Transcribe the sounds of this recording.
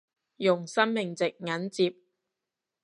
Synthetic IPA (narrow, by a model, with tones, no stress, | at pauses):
jʊ˨˩ŋsɐ˥mmɪ˨˩ŋt͡sɪ˨k̚ŋɐ˨˥nt͡siː˧p̚